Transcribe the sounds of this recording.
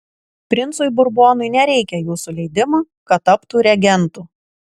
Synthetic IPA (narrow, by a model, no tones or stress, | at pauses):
pʲɾʲɪnt̪sʊjbʊɾboːnʊɪnʲɛɾʲɛɪkʲɛjuːsʊlʲɛɪd̪ʲɪmɑ | kɐt̪ːɐpt̪uːɾʲɛɡʲɛnt̪uː